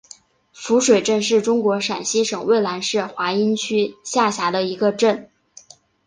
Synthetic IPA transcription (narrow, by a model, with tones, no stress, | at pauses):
fu˧˥ʂwe˨˩ɪʈ͡ʂə˥˧nʂɻ̩˥˩ʈ͡ʂʊ˥ŋkwɔ˧˥ʂa˨˩nɕi˥ʂɤ˨˩ŋwe˥˩ɪla˧˥nʂɻ̩˥˩xwa˧˥i˥nt͡ɕʰy˥ɕja˥˩ɕja˧˥d̪ə˧i˧˥ɡə˧ʈ͡ʂə˥˩n